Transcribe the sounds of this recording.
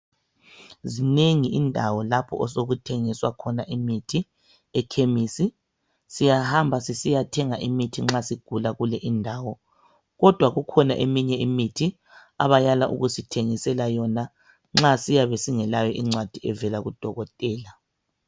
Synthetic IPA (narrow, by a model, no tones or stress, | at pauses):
zineŋiindʱawɔlapʰɔ̰ʔɔsoɣutʰeŋiswakʰɔnaʔimitʰi | ɛkʰemisi | sijahambʱasisijatʰɛŋaʔimitʰiŋ͡ǁasiɡ̥ʱulaɣulɛʔindʱaːwɔ | ɣɔd̥ʱwaɣukʰɔna̰ʔemiɲɛimitʰi | a̰βajalaʔṵɣusitʰeŋisɛlajɔna | ŋ͡ǁasijaβesiŋɛlajɔʔiŋ͡ǀwad̥ʱiɛvɛlaɣud̥ʱɔɣɔtʼɛːla